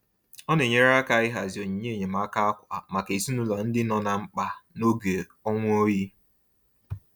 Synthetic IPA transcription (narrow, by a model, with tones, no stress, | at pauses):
ɔ˦ne˨ɲe˦ɾa˦ka˨ɪ˦ɦa˨zi˨o˨ɲi˨ɲe˦˨ɲe˨ma˨˦ka˦a˦kʷa˨ma˨ke˨si˦nu˦lɔ˨n̩˦dɪ˦nɔ˨na˨ŋ͡m̩˦k͡pa˨no˦ɡe˨ | ɔ˦ŋʷ˦o˦ji˦